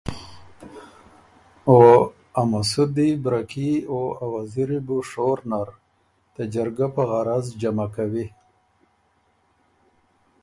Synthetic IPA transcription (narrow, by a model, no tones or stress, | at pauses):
o | amasud̪ibɾakioawaziɾibuʂoɾnaɾ | d̪̥əd͡ʒaɾɡapəɣaɾazd͡ʒamakawi